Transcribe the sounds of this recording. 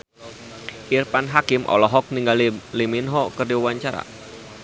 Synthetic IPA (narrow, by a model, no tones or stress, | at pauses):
ʔirpanɦakɪmʔɔ̰lɔɦɔk̚niŋɡaliliminɦɔkərdiwawaɲt͡ʃaɾa̰